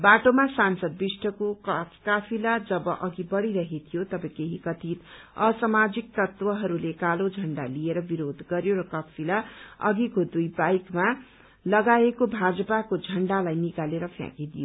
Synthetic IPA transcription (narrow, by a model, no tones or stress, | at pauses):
baʈomasansʌd̪̚bisʈʰʌkokʌkapʰilad͡zʌbʌʔʌɡibʌɾiɾʌɦet̪ʰijot̪ʌbʌkeɦikʌt̪ʰit̪ | ʌsamad͡zik̚t̪ʌt̪wʌɦʌɾulekalod͡zʱʌɳɖalieɾʌbiɾod̪ɡʌɾjoɾʌkʌpʰilaʌ̰ɡikod̪ujbajkma | lʌɡaekobʱad͡zʌpakod͡zʱʌɳɖalajnikaleɾʌpʰjã̰kid̪ijo